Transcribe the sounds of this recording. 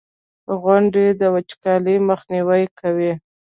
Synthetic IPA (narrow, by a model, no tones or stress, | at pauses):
ɣʊɳɖed̪əwat͡ʃkɑliməxniwəjkʰawi